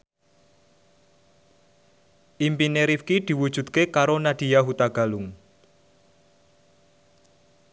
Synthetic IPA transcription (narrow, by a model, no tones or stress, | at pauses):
ʔimpineɾifkid̪̥i̤wud̥ʒ̥ṳd̪̥̚kekaɾonad̪̥i̤jaɦut̪aɡ̥a̤lʊŋ